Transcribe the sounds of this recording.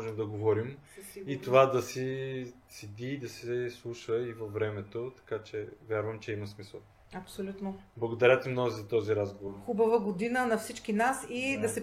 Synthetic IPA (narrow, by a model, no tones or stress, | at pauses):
ʒɛmd̪ɐɡovɔɾimit̪ovad̪ɐsi | sid̪iːd̪ɐsɛslˠuʃəivɐvːɾɛmɛt̪ot̪ɐ̥kat͡ʃɛvʲjaɾvəmt͡ʃɛimɐsmisəlˠ | ɐpsolʲut̪noblˠɐɡod̪ɐɾʲat̪imnɔɡzɐt̪ɔziɾazɡovoɾxubɐvəɡod̪inənɐfsit͡ʃkinasid̪ɐsɛ